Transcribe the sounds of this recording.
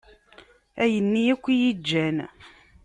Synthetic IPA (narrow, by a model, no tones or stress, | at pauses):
æjənːiækʷːijid͡ʒːæn